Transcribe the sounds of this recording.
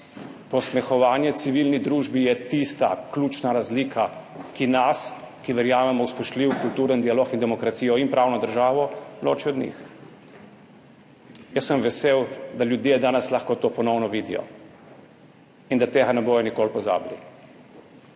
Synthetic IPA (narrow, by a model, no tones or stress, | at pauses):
pɔsmɛxɔʋaːnjɛt̪siʋilnid̪ɾuːʒbijɛt̪ist̪a̰klʲuːt͡ʃnaɾazlikʰakinas | kiʋɛɾjaːmɛmɔwspɛʃliwkult̪uːɾənd̪ialoːkind̪ɛmɔkɾat̪sijɔinpɾʔawnɔd̪əɾʒaːʋɔlo̰ːt͡ʃiɔd̪nḭx | jəsːəmʋɛseːwd̪aljud̪jeːd̪aːnɛslaxkot̪oːpɔnɔwnɔʋiːd̪ḭjɔ̰ | ind̪at̪eːɣanɛboːjɔnikoːlpɔza̰ːblḭ